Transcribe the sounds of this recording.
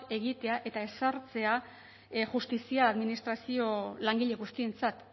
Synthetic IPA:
e̞ɣit̪e̞aʔe̞t̪ae̞saɾt͡se̞a | ʝust̪isiaːðminist̪ɾasio̞laŋɡiʎe̞ɣust̪ie̞nt͡sat̪

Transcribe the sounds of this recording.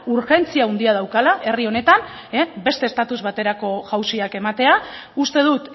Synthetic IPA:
uɾxe̞nt͡siaund̪iað̞awkalaʔe̞rio̞ne̞t̪an | ebe̞st̪est̪at̪uzβat̪e̞ɾako̞ʝawsiake̞mat̪e̞aust̪e̞ð̞ut̪

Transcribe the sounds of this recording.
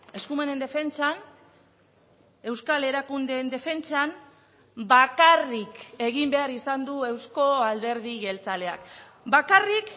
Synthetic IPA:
e̞skume̞ne̞nd̪efe̞nt͡ʃan | e̞wskale̞ɾakund̪end̪e̞fe̞nt͡sam | bakarike̞ɣimbe̞aɾisand̪ue̞wsko̞ald̪e̞ɾðiɣe̞lt͡sale̞a̰k | bakarik

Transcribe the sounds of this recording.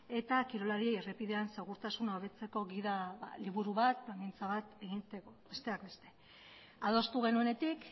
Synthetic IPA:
e̞t̪akiɾo̞laɾie̞jerepiðe̞anseɣuɾt̪asunaoβe̞t͡se̞ko̞ɣiðaa̰liβuɾuβat̪̚plaŋɡint͡saβat̪e̞ɣit̪ekobe̞st̪e̞ak̚be̞st̪e̞ | að̞o̞st̪uɣ̞e̞nue̞ne̞t̪ik

